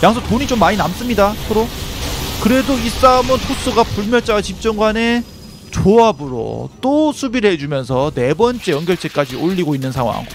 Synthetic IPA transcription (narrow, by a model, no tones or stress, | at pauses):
jaŋsʰʌtoɲit͡ɕomːaɲinams͈ɯmɲidasʰʌɾo | kɯɾe̞dois͈aomɯntʰos͈ʰuɡapuɭmjʌɭt͡ɕ͈aɡat͡ɕip̚t͡ɕ͈ʌŋɡwane̞ | t͡ɕoabɯɾo̰t͈osʰubiɾɯɭɦe̞d͡ʑumjʌnsʰʌne̞bʌnt͡ɕ͈e̞jʌŋɡjʌɭt͡ɕ͈ʰe̞k͈ad͡ʑioʎːiɡoinːɯnsʰaŋwa̰ŋ